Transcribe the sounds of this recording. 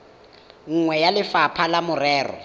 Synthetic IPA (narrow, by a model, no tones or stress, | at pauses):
ŋ̩ŋwɛjalɪfapʰalamʊrɛːrɔ̰